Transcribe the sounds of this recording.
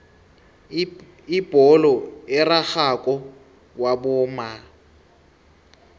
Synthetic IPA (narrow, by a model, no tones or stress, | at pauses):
ib̥ʱɔlɔɪraxakʼɔ | wabʊːma